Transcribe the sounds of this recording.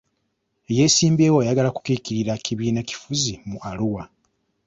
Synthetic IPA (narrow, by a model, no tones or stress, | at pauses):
e̞je̞ːsiːmbeːwojaɡalakukiːkiɾiɾakiβiːnaci̥fuzimualuwa